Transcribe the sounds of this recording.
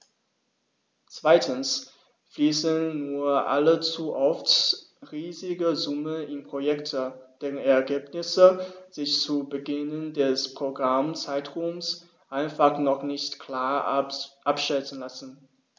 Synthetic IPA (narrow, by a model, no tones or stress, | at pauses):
t͡sv̥aɪtʰəns | fliːsənːuːɐʔa̰lət͡suʔɔft | ʁiːzɪɡəzʊmənɪnpʁ̥ojɛktʰəd̥eːʁənɛɐɡeːpnɪsəz̥ɪçt͡suːbəɡɪnəndɛspʁ̥oɡʁamt͡saɪtʁums | ʔaɪnfaχnɔχnɪçtkʰl̥aːɐʔapʃɛtn̩lasn̩